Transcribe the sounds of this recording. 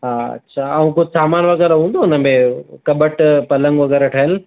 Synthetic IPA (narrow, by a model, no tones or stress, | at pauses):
ɦaːɐ̰tːɕʰaːɐũkʊd͡ʑʱsaːmaːnʋɐɣɛːɾɦũːnd̪oʊnəmẽkɐbəʈpɐlə̃ŋɡʋɐɣɛːɾaʈʰɐɦəl